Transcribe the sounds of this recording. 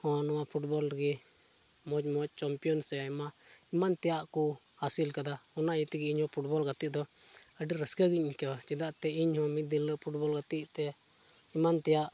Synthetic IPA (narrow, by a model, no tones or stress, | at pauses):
hɔ̃nɔwapʰuʈbɔlɡi | mɔd͡ʒmɔc̚ˀt͡ʃampijɔnsɛɛmaimant̪ɛjaʔku | hasilkad̪aɔnajit̪iɡɛiɲhɔ̃pʰuʈbɔlɡat̪iʔ̚d̪ɔəɖiɾəskəɡiɲkawat͡ʃɛd̪aʔt̪ɛiɲhɔ̃mit̪̚d̪iləʔpʰuʈbɔlɡat̪iʔt̪ɛ | imant̪ɛjaʔ